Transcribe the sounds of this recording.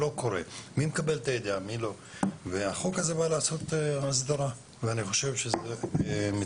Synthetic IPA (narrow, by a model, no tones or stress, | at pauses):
o̞ko̞ɾḛmimekabe̞lt̪ajed̪eamilo̞ | veaχo̞kaze̞balaːso̞t̪eas̬d̪aʁa | veaniχo̞ʃe̞vʃezeme